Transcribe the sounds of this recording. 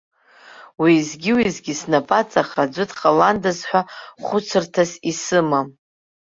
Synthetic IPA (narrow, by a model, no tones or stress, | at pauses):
wiːzɡʲiwizɡʲisnapʼat͡sʼaχrad͡ʒʷʊtʰʼχʼalandazħʷᶣaχʷʊt͡sʰɨrtʰasisɨma